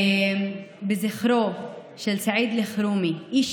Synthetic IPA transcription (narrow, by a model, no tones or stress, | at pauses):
bɪzɪxɾoːf | ʃɪlsaʕiːd̪lɪxɾuːmiʔiːʃ